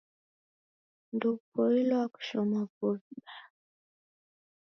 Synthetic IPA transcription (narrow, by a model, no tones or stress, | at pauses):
ndupɔilɔaku̥ʃɔmavɔɓa